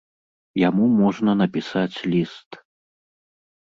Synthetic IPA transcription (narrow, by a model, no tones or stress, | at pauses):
jamumɔʐnɐnɐpʲisat͡sʲlʲist̪